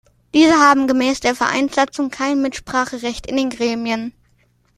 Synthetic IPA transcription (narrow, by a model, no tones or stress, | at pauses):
d̥iːzəɦaːbm̩ɡəmɛːsd̥eːɐfɛɐʔa̰ɪnz̥at͡sʊŋkʰaɪnmɪtʃpʁ̥aːχəʁɛçtɪndeːnɡʁɛːmiən